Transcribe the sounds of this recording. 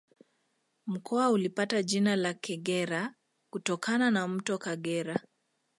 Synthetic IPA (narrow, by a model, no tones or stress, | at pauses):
m̩kʰɔaulipataʄinalakɛɠɛɾa | kutɔkʰananam̩tɔkaɠɛɾa